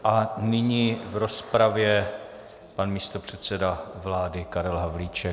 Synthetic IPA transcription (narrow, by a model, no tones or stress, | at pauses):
ʔanɪɲivɾo̞spɾavjɛ | panmiːst̪o̞pr̝̥ɛt̪sɛdavlaːdɪkaɾɛlɦavlit͡ʃɛ